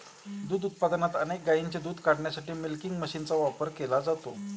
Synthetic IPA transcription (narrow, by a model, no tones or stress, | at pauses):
d̪uːd̪ut̪̚pad̪nat̪ənek̚ɡaiɲt͡ɕad̪uːd̪ʱkaɽɳjasaʈiːmilkiŋɡməɕiːnt͡saʋapəɾkelad͡zat̪o